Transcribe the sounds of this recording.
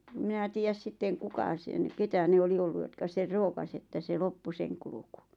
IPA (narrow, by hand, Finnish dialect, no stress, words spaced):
ĕ mĭnæ tiːjæs sitːeŋ̆ kukɑ sen ketæ ne oli olːu jotkɑ ser roːkɑs etːæ se lopːu seŋ kuluku